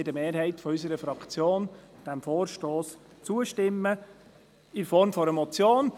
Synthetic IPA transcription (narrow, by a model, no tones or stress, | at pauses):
ɪdəmeːɾhɛɪtfɔys̬əɾəfɾɑkt͡sjoːnd̥æmfoːɾʃtoːs | t͡suːəʃtɪmːə | ɪnfɔɾmfɔɾɛmɔt͡sjoːn